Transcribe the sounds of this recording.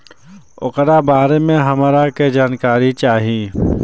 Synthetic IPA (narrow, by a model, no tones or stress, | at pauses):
ʊ̰kɾabaːɾemẽɦɐmaɾaked͡ʒaːnkaːɾit͡ʃaːɦii